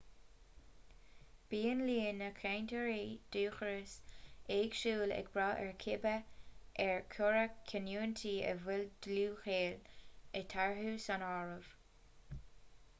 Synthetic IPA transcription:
b̥iːənliːnəkʰɛjntʰəɹeːd̪̥uːxəɹəseːɡ̥ʃuːlɛ̰ɡb̥ɹɑːʔɛɹkʰɪbəʔɛɹkʰʊɹəkʰənjuːnt̪ʰiːə̰vɪld̪̥luːxeːlət̪ʰaɹɦuːsanɑːɹəv̥

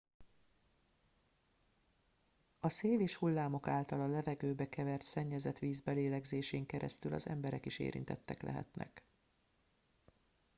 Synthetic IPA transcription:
ɒseːleːʃhulːaːmo̞kaːlt̪ɒlɒlɛvɛɡøːbɛkɛvɛrt̪sɛɲːɛzɛt̪ʋiːzbɛleːlɛɡzeːʃeːŋkɛɾɛst̪ylɒ̰zɛ̰mbɛɾɛkiʃḛːɾḭnt̪ɛt̪ːɛklɛ̰ɦɛ̰t̪nɛ̰k

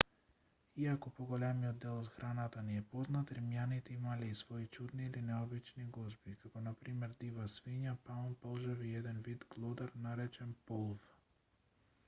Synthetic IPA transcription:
iakɔpɔɡɔlɛmiɔd̪ːɛlˠɔt̪xɾʔanat̪aniɛpɔznat̪ɾimjanit̪ɛimalɛisvɔit͡ʃud̪niːlinɛɔbit͡ʃniɡɔzbikakɔnapɾimɛɾd̪ivasviɲapaɔnpɔlˠʒaviɛd̪ɛnvid̪ɡlˠɔd̪aɾnaɾɛt͡ʃɛnpɔlˠv

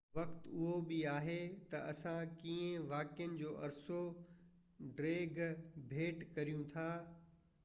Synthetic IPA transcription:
ʋɐkt̪ʊɦobɪaːɦet̪ɐɐsãkiːẽʋaːkijənɪ̆d͡ʑoːʔɐɾso | ɖɾeːɡbʱeːʈkɐɾijũt̪ʰaː

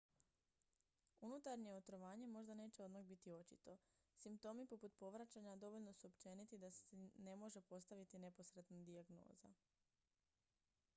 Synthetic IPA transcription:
unut̪aɾɲe̞o̞t̪ɾo̞ʋaːɲe̞mo̞ʒd̪ane̞ːt͡ɕe̞o̞d̪maɣbit̪io̞t͡ʃit̪o̞ | simp̚t̪o̞ːmipo̞put̪̚po̞ʋɾat͡ɕaɲad̪o̞ʋo̞ʎno̞suo̞pt͡ʃe̞ːnit̪id̪asene̞mo̞ʒe̞po̞st̪aʋit̪ine̞po̞sɾe̞t̪nad̪iaɡno̞̰ːza̰

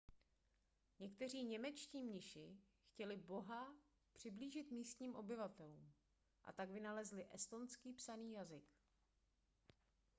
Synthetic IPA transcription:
ɲɛkt̪ɛr̝iːɲɛmɛt͡ʃciːmɲɪʃɪ | xcɛlɪbo̞ɦa | pr̥ɪbliːʒɪt̪miːst̪ɲiːmʔo̞bɪvat̪ɛluːm | ʔa̰t̪aɡvɪnalɛzlɪʔɛst̪o̞nskiːpsaniːjazɪk

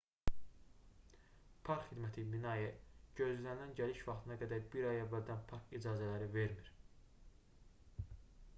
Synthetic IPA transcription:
pʰɑɾkχid̪mæt̪ʰiminɑjɛɟø̞zlænilænɟæliʃvɑχt̪ʰɯnɑɡæd̪æɾbiɾɑjævːæld̪ænpʰɑɾkid͡ʒɑːzælæɾive̞ɾmiɾ̥

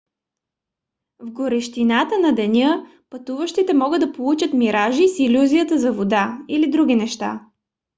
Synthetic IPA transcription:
vɡoɾɛʃt̪inat̪ənɐd̪ɛnʲə | pɐt̪uvəʃt̪it̪ɛmɔɡəd̪ɐpolˠut͡ʃət̪miɾʔaʒisilʲuzijət̪əzɐvod̪ailid̪ɾuɡ̟inɛʃt̪a̰

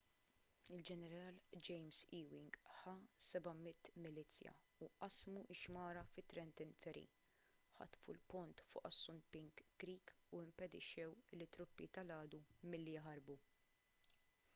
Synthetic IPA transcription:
ɪld͡ʒɛnɛɾɐːld͡ʒɛjmsiːwɪŋɡħɐsɛbɐmɪt̪ːmɪlit͡sːjɐ̰ | uʔɐsmuʔɪʃmɐːɾɐfɪt̪ːɾɛnt̪ɪnfɛɾḭ | ħɐ̰t̪fṵlpʊnt̪fʊ̰ːʔɐsːʊnpɪŋkːɾiːkuɪmpɛd̪ɪ̰ʃːɛwlːɪt̪ːɾʊpːit̪ɐlɐːd̪umɪlːijɦɐɾbu

